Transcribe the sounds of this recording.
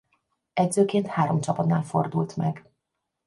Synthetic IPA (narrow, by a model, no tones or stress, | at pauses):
ɛdzøːkeːnt̪haːɾo̞mt͡ʃɒpɒt̪naːlfo̞̰rd̪ult̪mɛɡ